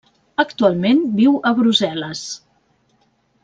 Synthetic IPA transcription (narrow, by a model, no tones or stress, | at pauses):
əkt̪ualˠmenbiwəβɾuzɛləs